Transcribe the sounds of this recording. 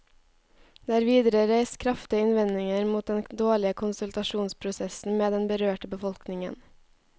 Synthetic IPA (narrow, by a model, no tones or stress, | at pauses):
d̪eːɾʋiːd̪ɾəɾæɪst̪kʰɾɑft̪ɪəɪnʋɛnɪŋəɾmuːt̪̚d̪ɛnd̪oːɭɪəkʰʊnsʉlt̪ɑʃuːnspʰɾʊsɛsn̩meːd̪ɛnbəɾøːʈəbəfɔlknɪŋə̰n